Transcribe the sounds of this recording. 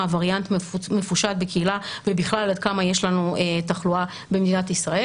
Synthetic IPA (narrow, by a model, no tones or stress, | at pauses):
vaʁjant̪mme̞fuʃat̪̚bekeilavebiχlalad̪̚kamajeʃlanuetaχlua | bemed̪inat̪isʁae